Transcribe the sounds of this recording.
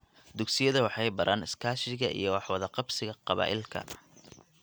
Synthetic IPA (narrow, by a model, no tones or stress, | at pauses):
d̪ʊɡsɪjɐðɐwɑħɑjbɐɾʔaːnɪskʰaːʃɪɣɐʔḭjɞwɑħwɑðɐqɑbsɪɣɐqɑβa̰ːʔɪlkʰɐ̰